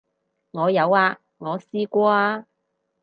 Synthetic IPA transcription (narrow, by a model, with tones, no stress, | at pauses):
ŋɔː˨˧jɐ˨˧waː˧ | ŋɔː˨˧siː˥kʷɔː˥aː˧